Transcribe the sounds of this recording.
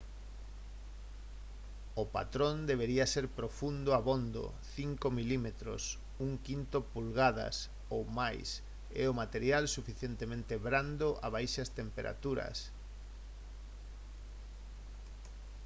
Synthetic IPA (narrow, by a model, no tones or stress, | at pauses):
ʊpa̰t̪ɾõnd̪eβ̞eɾiɐseɾpɾofund̪ʊaβond̪o̰ | θiŋkomilimet̪ɾo̰s | uŋkint̪opulɣaðɐ̰s | owmajs | ɛ̰ʊmat̪eɾjalsufiθjent̪emẽnt̪eβɾand̪ʊʔa̰βajʃɐst̪empeɾʔa̰t̪uɾɐ̰s